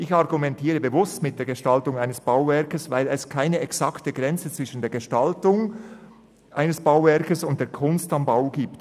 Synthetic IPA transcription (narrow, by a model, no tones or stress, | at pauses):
ʔɪçɑʁɡumɛntʰiːʁəbəvʊstmɪt̚d̥eːɡ̥əʃtɑltʊŋaɪnəsb̥aʊvɛɐkəsvaɪlɛskʰaɪnəɛksɑktəɡʁɛnt͡sət͡sv̥ɪʃn̩deːɐɡ̥əʃtɑltʊŋ | ʔaɪnəsb̥aʊvɛɾkəsʊnt̚d̥eːɐkʰʊnstɑmbaʊɡ̥iːpt